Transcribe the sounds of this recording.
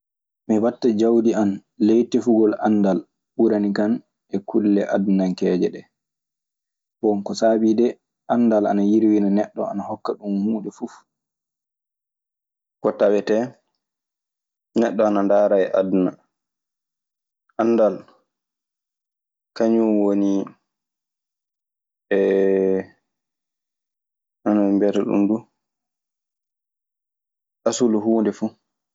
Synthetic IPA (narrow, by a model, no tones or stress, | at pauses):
miwatːad͡ʒawdianlejtɛfuɡɔlandal | ɓuɾanikan | ʔɛkʰulːɛʔadunaŋkɛːd͡ʒɛɗɛ | bɔnkɔsabidɛ | ʔanːdala̰najiɾwinanɛɗːɔ̰a̰nahɔkːaɗumhuːɗɛfuf | kɔtawɛtɛ | nɛɗːɔanandaːɾaɛʔaduna | ʔanːdal | kaɲumwoni | ɛ | ʔanaimbɛtaɗṵndu | ʔasuluɦuːndɛfu